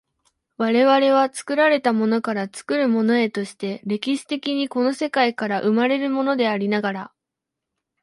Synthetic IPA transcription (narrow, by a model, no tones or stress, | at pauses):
βaɾe̞βaɾe̞β̞at͡sɨ̥kɯ̟ɾaɾe̞t̪amo̞no̞kaɾat͡sɨ̥kɯ̟ɾɯ̟mo̞no̞e̞t̪o̞ɕi̥t̪e̞ɾe̞kʲiɕi̥t̪e̞kʲiɲ̟iko̞no̞se̞kaikaɾaʔɯ̟maɾe̞ɾɯ̟mo̞no̞d̪e̞aɾʲinaɡaɾa